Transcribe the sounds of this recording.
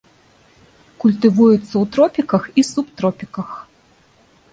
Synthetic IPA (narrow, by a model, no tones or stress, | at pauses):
kulʲt̪ɨvujut̪sːɐwt̪ɾɔpʲikɐxisupt̪ɾɔpʲikɐx